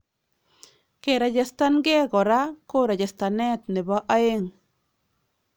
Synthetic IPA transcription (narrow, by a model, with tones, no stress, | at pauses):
ke˨ɾa˨d͡ʒɛ˨sta˦nɡɛ˦ɡɔ˨ɾa˦ko˦ɾa˨d͡ʒɛ˨sta˨nɛ˦t̪nɪ˨ba˦ʔa˦e˦ŋ